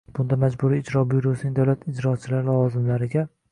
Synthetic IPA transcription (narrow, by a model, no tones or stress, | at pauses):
b̥ʊnd̪amad͡ʒbʊɾiːd͡ʒɾɒbiɾosɪnɪŋʲd̪awlat̪ɪd͡ʒɾɒt͡ʃʰɪlaɾɪlˠɒɒzɪmlaɾɪɡʲa